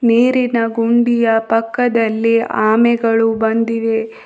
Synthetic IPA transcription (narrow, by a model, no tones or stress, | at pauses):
neːɾinɐɡuɳɖijɐpɐkːɐd̪ɐlːiʔaːmɛɡɐɭubɐnd̪iʋe̞